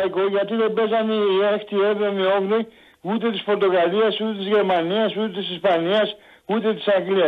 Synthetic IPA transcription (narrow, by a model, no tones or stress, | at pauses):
iko̞ʝɐt̪iðe̞be̞zɐniiext̪ie̞ðomio̞ɣli | ut̪e̞t̪ispo̞ɾt̪o̞ɣɐliɐsut̪et̪izʝe̞ɾmɐniɐsut̪et̪isispɐniɐs | ut̪e̞t̪i̥sɐŋɡliɐ